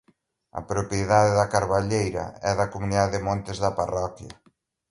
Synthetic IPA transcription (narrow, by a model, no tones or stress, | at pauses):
ɐ̰pɾopjeðaðeðɐkaɾβaʎejɾɐ̰ɛðɐkomuniðaðeðɪmɔ̃nt̪ɪzðɐparɔkjɐ̰